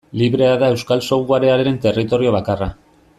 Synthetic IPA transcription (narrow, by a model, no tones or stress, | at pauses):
liβɾe̞aðae̞wskalso̞ɣuaɾeaɾeɾe̞nt̪e̞rit̪o̞ɾio̞β̞akara